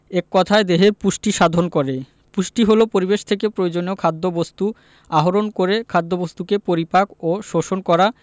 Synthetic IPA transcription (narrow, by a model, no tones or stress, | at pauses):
ekːɔt̪ʰaed̪eɦepuʃʈiʃad̪ʱonkoɾe | puʃʈiɦolopoɾibeʃt̪ʰekepɾoed͡ʑoneokʰad̪ːobost̪u | aɦoɾonkoɾekʰad̪ːobost̪ukepoɾipakoʃoʃonkɔɾa